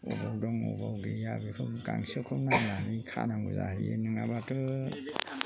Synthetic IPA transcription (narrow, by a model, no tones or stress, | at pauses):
ɔbawdɔŋɔ̰bawɡejabikʰɯɡaŋsɯkʰɯnananikʰa̰naŋɡuza̰ɾienɯŋabatɯ